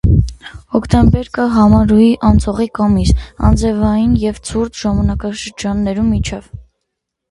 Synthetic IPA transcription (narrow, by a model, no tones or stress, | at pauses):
ɔkʰt̪ɛmbɛɾkɑɦɑmɑɾujiʔɑnt͡sʰɔʁikɑmisɑ̰nd͡zɛvɑjinjɛvt͡sʰuɾt͡sʰʒ̥ɑmɑnɑkɑʃəɾd͡ʒɑnːɛɾummit͡ʃʰɛv